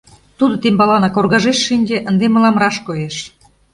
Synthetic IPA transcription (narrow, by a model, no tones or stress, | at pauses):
t̪ud̪ŏt̪embɑlɑnɑkorɣɑʒeʃːinʲɡeʔənd̪emə̆lɑmrɑʃkojeʃ